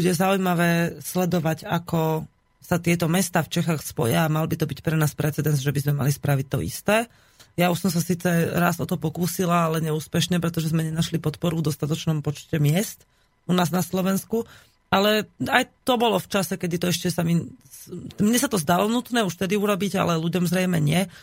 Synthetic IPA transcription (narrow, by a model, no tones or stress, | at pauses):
buɟɛzaujmaʋɛːslɛd̪ɔʋaɟakɔ | sat̪ɪɛt̪ɔmɛst̪aːft͡ʃɛxaːxspɔ̰jaːmalbit̪ɔbicpɾɛnaːspɾɛt͡sɛd̪ɛnzʒɛbizmɛma̰lispɾaʋic̚t̪ːɔ̰ḭst̪ɛː | jauʃsɔms̬asiːt͡sɛɾazɔt̪ɔpɔkuːsilaːlɛɲɛuːspɛʃɲɛpɾɛt̪ɔʒɛzmɛɲɛnaʃlipɔt̪pɔɾuvd̪ɔst̪at̪ɔt͡ʃnɔmpɔt͡ʃcɛmɪɛst̪ | unaːznaslɔʋɛnsku | alɛajt̪ɔbɔlɔft͡ʃasɛkɛd̪it̪ɔɛʃcɛsami | mɲɛsat̪ɔzd̪alɔnut̪nɛːuʃt̪ɛd̪iuɾɔbiɟa̰lɛluɟɔmzɾɛjmɛɲɪɛ